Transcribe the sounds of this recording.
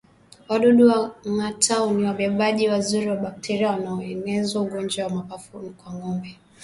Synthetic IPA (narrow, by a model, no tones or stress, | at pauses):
waɗɔɗuwaŋatʰauniwaɓɛɓaʄiwazuɾiwaɓak̚tʰɛɾiawanaɔɛnɛzauɡɔnd͡ʒawamapafunikwaŋɡɔmbɛ